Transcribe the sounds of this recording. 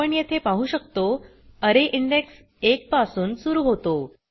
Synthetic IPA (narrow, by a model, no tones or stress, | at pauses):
əɳjet̪ʰepaɦuːɕək̚t̪o | əɾeʔiɳɖeks | ek̚pasuːnsuɾuːɦot̪o